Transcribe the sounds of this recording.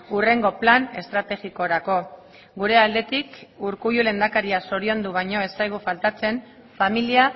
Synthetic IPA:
ure̞ŋɡo̞plane̞̰st̪ɾat̪e̞ɣiko̞ɾako̞ | ɡuɾe̞ald̪e̞t̪ikuɾkujule̞nd̪akaɾiaso̞ɾio̞nd̪uβaɲo̞e̞sajɣ̞ufalt̪at͡se̞n | familia

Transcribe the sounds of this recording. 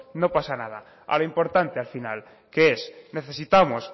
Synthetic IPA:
no̞pasanað̞a | a̰loimpo̞ɾt̪ant̪ealfina̰l | keesne̞θe̞sit̪amos

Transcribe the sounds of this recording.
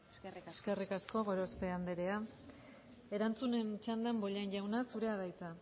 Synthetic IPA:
eske̞rikasko̞ɣo̞ɾo̞spe̞and̪e̞ɾe̞a | e̞ɾant͡sune̞nt͡ʃand̪ambo̞ʎanʎawnasuɾe̞aðajt͡sa

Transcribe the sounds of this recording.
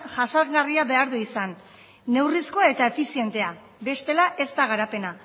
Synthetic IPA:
ʝasaɡariaβe̞aɾðuisanː | e̞wrisko̞ae̞t̪ae̞fisie̞nt̪e̞a | be̞st̪e̞laʔe̞st̪aɣ̞aɾape̞na

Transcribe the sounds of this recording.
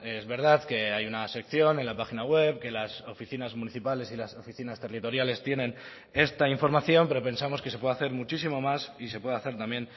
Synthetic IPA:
e̞zβe̞ɾð̞aðke̞ajunase̞kθjo̞ne̞nlapaxinaɣwe̞βke̞laso̞fiθinazmuniθipale̞silaso̞fiθinast̪e̞rit̪o̞ɾjale̞st̪je̞nẽ̞n | e̞st̪aiɱfo̞ɾmaθjo̞mpe̞ɾo̞pe̞nsamoske̞se̞pwe̞ðaθe̞ɾmut͡ʃis̬imo̞masise̞pwe̞ðaθe̞ɾt̪amje̞n

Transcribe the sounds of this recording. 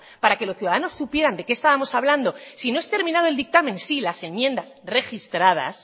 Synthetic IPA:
paɾakelo̞sθjuðaðano̞sːupje̞ɾand̪e̞keːst̪aβamo̞saβland̪o̞sinoe̞st̪e̞ɾmĩnað̞oe̞ld̪ik̚t̪amẽ̞nsilase̞mjẽ̞nd̪asre̞xist̪ɾað̞a̰s

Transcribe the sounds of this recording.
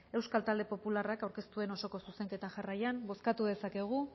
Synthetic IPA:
e̞wskalt̪ald̪e̞po̞pularakawɾke̞st̪ue̞no̞so̞ko̞suse̞ŋke̞t̪aʝarajanbo̞skat̪uðe̞sake̞ɣ̞u

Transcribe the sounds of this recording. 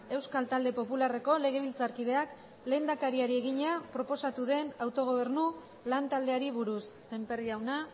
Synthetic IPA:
e̞wskalt̪ald̪e̞po̞pulare̞ko̞le̞ɣe̞β̞ilt͡saɾkið̞e̞ak | le̞ːnd̪akaɾiaɾie̞ɣ̞iɲapɾo̞po̞sat̪uðe̞nawt̪o̞ɣ̞o̞β̞e̞rnu | lant̪ald̪e̞aɾiβuɾusːe̞mpe̞riawna

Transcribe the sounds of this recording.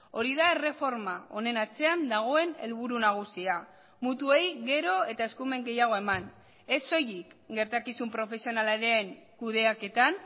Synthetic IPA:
o̞ɾiðaere̞fo̞ɾmao̞ne̞nat͡se̞and̪aɣ̞o̞e̞ne̞lβ̞uɾunaɣ̞usia | mut̪ue̞jɣe̞ɾo̞e̞t̪ae̞skume̞ŋɡe̞jaɣ̞o̞e̞man | e̞so̞jikɡe̞ɾt̪akisumpɾo̞fe̞sio̞nalaɾeːŋkuðe̞ake̞t̪an

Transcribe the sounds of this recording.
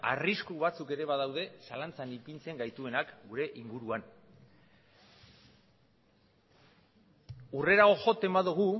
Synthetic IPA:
a̰riskuβat͡suke̞ɾe̞βaðawðe̞salant͡sanipint͡se̞ŋɡajt̪ue̞nakɡuɾe̞ʔiŋɡuɾuan | ure̞ɾaɣo̞ʝo̞t̪e̞mbaðuɣ̞u

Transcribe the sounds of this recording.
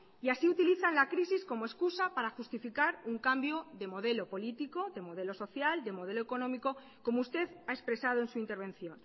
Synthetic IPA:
iasiut̪iliθanlakɾisisko̞moe̞skusapaɾaxust̪ifikaɾuŋkambjo̞ðe̞mo̞ðe̞lo̞po̞lit̪iko̞ðe̞mo̞ð̞e̞lo̞so̞θjald̪e̞mo̞ð̞e̞lo̞e̞ko̞nõ̞miko̞ | ko̞moust̪e̞ðaekspɾe̞sað̞o̞e̞nsuint̪e̞ɾβ̞e̞nθjõ̞n

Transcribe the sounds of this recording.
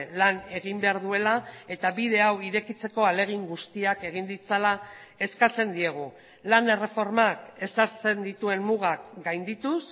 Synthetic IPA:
lane̞ɣ̞imbe̞aɾðue̞lae̞t̪aβið̞e̞awiɾe̞kit͡se̞ko̞ale̞ɣ̞iŋɡust̪iake̞ɣind̪it͡sala | e̞skat͡se̞nd̪ie̞ɣ̞u | lane̞re̞fo̞ɾmake̞saɾt͡se̞nd̪it̪ue̞nmuɣakɡajnd̪it̪us

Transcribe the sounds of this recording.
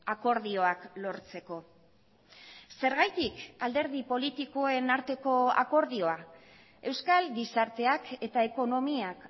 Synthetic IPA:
ako̞ɾðio̞aklo̞ɾt͡se̞ko̞ | se̞ɾɣajt̪ikald̪e̞ɾðipo̞lit̪iko̞e̞naɾt̪e̞ko̞a̰ko̞ɾðio̞a | e̞wskalɡisaɾt̪e̞ake̞t̪ae̞ko̞no̞miak

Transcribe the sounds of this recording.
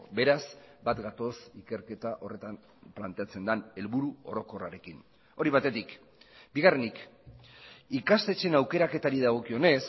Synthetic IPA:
be̞ɾazbat̪ɡat̪o̞sike̞ɾke̞t̪aʔo̞re̞t̪am | plant̪e̞at͡se̞nd̪ane̞lβuɾuo̞̰ɾo̞ko̞raɾe̞kin | o̞ɾiβ̞at̪e̞t̪ik | biɣarenik | ikast̪e̞t͡ʃe̞nawke̞ɾake̞t̪aɾiðaɣ̞o̞kio̞ne̞s

